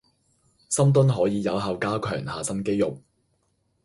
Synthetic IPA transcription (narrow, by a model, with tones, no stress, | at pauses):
sɐ˥mt̪̬ʊ˥nɦɔː˨˥jiː˨˧jɐ˨˧wɦɐː˨˧wkaː˥kʰœː˨˩ŋhaː˨sɐ˥nke˥jʊ˨k̚